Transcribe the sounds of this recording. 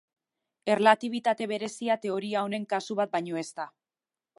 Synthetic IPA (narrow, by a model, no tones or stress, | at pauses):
e̞relat̪iβ̞it̪at̪e̞β̞e̞ɾe̞siat̪e̞o̞ɾiao̞ne̞ŋkasuβ̞at̪̚bajɲo̞e̞st̪a